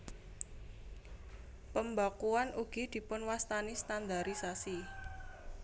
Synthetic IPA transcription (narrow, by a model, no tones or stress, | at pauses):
pəmbakuanuɡ̥i̤d̪̥i̤pʊnwast̪anist̪and̪aɾisasi